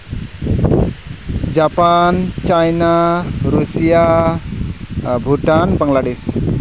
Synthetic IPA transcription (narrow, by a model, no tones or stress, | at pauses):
d͡ʒapant͡ʃajnaɾusia | buʈanpaŋlaɖɪs